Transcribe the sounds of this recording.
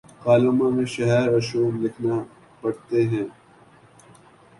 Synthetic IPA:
kaːloːmãmẽʃɐɦɛːɾɐʃoːblɪkʰna | pɐɽt̪eɦɛ̃ː

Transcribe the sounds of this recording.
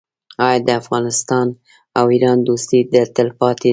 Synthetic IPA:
ɑjɑd̪əafɣɑnɪst̪ɑn | awiɾɑnd̪ost̪id̪ət̪əlpɑt̪e

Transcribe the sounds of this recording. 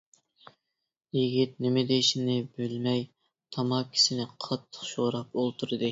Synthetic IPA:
jiɡʲit̪̚nɪmɪd̪eʃɪnɪbølmɛj | t̪ʰɑmɑkʲʰi̥sɪnɪqʰɑt̪ʰːə̥χʃoɾɑp̚olˠt̪ʰuɾɨd̪ɨ

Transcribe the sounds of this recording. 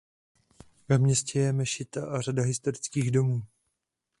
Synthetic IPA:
vɛmɲɛscɛjɛmɛʃɪt̪aʔaradaɦɪst̪o̞ɾɪt͡skiːɣdo̞muː

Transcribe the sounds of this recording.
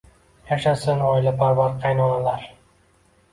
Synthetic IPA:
jaʃasɪnɒjlapʰaɾvaɾqʰɑjnɒnalaɾ

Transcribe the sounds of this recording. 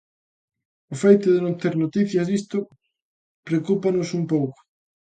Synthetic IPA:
ʊfejt̪ʊðɪnõnt̪eɾnot̪iθjɐzðist̪ʊ | pɾekupanʊsumpowkʊ̥

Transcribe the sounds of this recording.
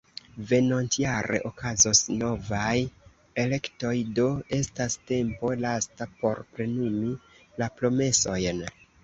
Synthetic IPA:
ve̞no̞ntjaɾe̞̰ʔo̞kazosno̞vaj | e̞le̞kto̞jdo̞e̞staste̞mpo̞lastapo̞ɾpɾe̞numilapɾo̞me̞so̞jn

